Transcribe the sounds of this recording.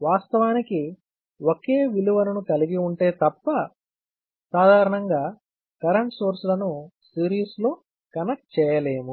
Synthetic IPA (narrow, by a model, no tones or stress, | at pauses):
ʋaːst̪ɐʋaːniki | oke̞ːʋiluʋɐnɐnukɐliɡiuɳʈe̞ːt̪ɐpːɐ | saːd̪ʱaːɾɐɳɐŋɡaː | kɐɾɐɳʈsoːɾsulɐnusiːɾiːslo̞ː | kɐnɐk̚t͡ʃɛːjɐle̞ːmu